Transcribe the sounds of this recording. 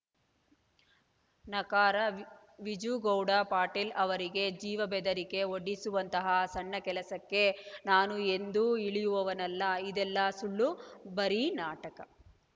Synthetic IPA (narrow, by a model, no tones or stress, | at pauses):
nɐkaːɾɐ | ʋid͡ʒuɡɐwɽɐpaːʈilɐʋɐɾiɡe̞d͡ʒiːʋɐbɛd̪ɐɾike̞oɽːisuʋɐnt̪ɐɦɐsɐɳːɐkɛlɐsɐkːe̞naːnue̞nd̪uiɭijuʋɐʋɐnɐlːɐid̪ɛlːɐsuɭːubɐɾinaːʈɐkɐ